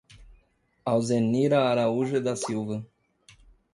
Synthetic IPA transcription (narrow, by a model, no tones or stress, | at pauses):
awzenːiɾaːɾauʒəd̪asiwvə